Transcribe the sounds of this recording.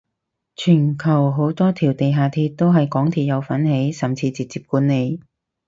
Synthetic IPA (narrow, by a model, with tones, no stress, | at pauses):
t͡ʃʰyː˨˩nkʰɐ˨˩wɦo˨˥wt̪ɔː˥t̪ʰiː˨˩wt̪e˨jɦaː˨˧t̪ʰiː˧t̚t̪o˥wɦɐ˨jkɔː˨˥ŋt̪ʰiː˧t̚jɐ˨˧wfɐ˨˥nhe˨˥jsɐ˨˩mt͡sʰiː˧t͡siː˨k̚t͡siː˨˧p̚kuː˨˥nːe˨˧j